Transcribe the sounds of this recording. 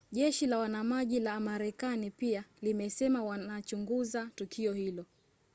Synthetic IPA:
ʄɛʃilawanamaʄilamaɾɛkanipialimɛsɛmawanat͡ʃuŋɡuzatukʰiɔhilɔ

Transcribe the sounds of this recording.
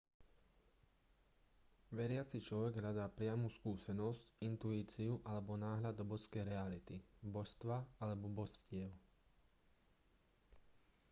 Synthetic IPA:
ʋɛɾɪat͡sit͡ʃlɔʋɛɡɦʎad̪aːpɾɪamuskuːsɛnɔscint̪uiːt͡siuʔalɛbɔnaːɦlad̪ɔbɔskɛjɾɛalit̪ibɔʃst̪ʋaalɛbɔbɔscɪɛʊ

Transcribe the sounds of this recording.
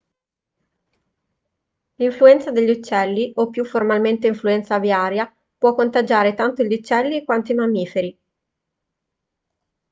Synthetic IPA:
liɱfluɛnt̪sad̪eʎːiut͡ʃːɛlːiopːjuformalment̪eiɱfluɛnt̪saviaːɾja | pwɔkːont̪ad͡ʒaːɾet̪ant̪oʎːut͡ʃːɛlːikwant̪oimamːiːfeɾi

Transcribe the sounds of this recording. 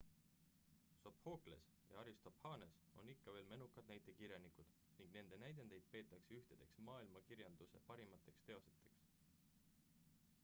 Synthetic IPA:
so̞pho̞ːkle̞̰s | jɑ̰ɑɾist̪o̞phɑːnes | o̞̰nikːɑve̞ːlme̞nukːˑɑd̪̥næjt̪ˑe̞kiɾjɑnikud̪̥ | niŋɡ̥ne̞nd̪e̞næjd̪end̪e̞jd̪̥̚pe̞ːt̪ːˑɑkseyht̪ed̪̥e̞ksmɑːilmɑkiɾjɑnd̪̥use̞̰pɑɾimɑt̪ːˑe̞kst̪e̞o̞set̪ːˑe̞ks

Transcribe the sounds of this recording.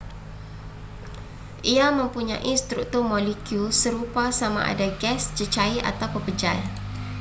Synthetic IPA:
ʔiaməmpuɲa̰ʔist̪ɾuk̚t̪urmolikjusəɾupasama̰ʔa̰daɡɛsd͡ʒət͡ʃaia̰t̪awpəpəd͡ʒal

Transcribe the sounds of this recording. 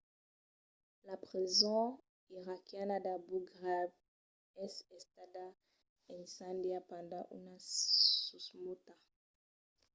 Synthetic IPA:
lapʁizɔ̃ | iʁakjanadabuɡʁav | ɛsɛst̪ada | ɛ̃nsãndjapãndãʔṵnasusmot̪a

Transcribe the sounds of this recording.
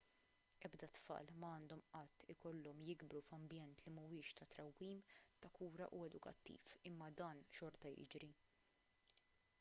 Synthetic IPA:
ʔɛbd̪ɐt̪fɐ̰ːlmɐɐːnd̪ɔmʔɐt̪ːɪkɔlːɔmjɪɡbɾufɐmbjɛnt̪limʊwɪːʃt̪ɐt̪ɾɐwːiːmt̪ɐkuːɾɐ̰ʔuɛd̪ʊkɐ̰t̪ːḭːfɪmːɐd̪ɐːnʃɔɾt̪ɐjɪ̰d͡ʒɾi

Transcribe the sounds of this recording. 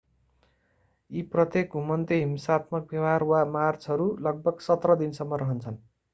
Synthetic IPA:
iprʌt̪ek̚ɡʱumʌnt̪eɦimsat̪mʌk̚bjʌwarwamart͡sʰɦʌɾulʌɡ̚bʌɡsʌt̪rʌd̪insʌmːʌɾʌɦʌnt͡sʰʌn

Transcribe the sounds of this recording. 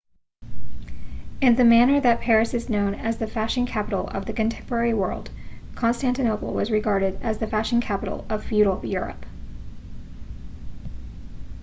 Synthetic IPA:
ɨ̃nðɨmæñə˞ðɨt̚pʰɛɹɨsɨznõʊ̃nɨzðɨfæʃɪ̃nkʰæpəɾl̩ˠʌ̰vðɨkɨ̃ntʰɛ̃mpə˞ɛɹiwɜ̰˞lˠd̥kʰɑ̃nstæ̃ntɨnoʊpl̩ˠwʌzɹɨɡɑɹɾɨɾɨzðɨfæʃɨ̃nkʰæpəɾl̩ˠʌv̥fjʉɾl̩ˠjʊɹɨ̰p

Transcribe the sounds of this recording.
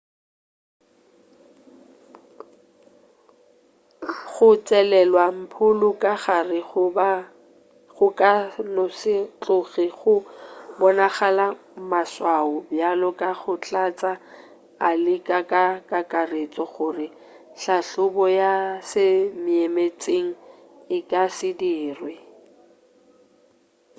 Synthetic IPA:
χʊt͡sʼɛlɛlwam̩pʰʊlʊkʼaχarɪ | χʊkʼanɔsɪt͡ɬʼʊɣiχʊbɔnaχalamaswaʊbjalɔkʼaχʊt͡ɬʼat͡sʼa | alɪkʼakʼakʼakʼaret͡sʼɔχʊrɪ | ɬaɬʊbɔjasɪmɪemet͡sʼeŋ̩ | ɪkʼasɪdiːrwɪ

